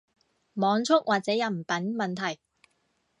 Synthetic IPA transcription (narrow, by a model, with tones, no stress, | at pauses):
mɔː˨˧ŋt͡sʰʊ˥k̚wʔaː˨t̚t͡sɛː˨˥jɐ˨˩m̩˨˩pɐ˨˥nmɐ˨nt̪ʰɐ˨˩j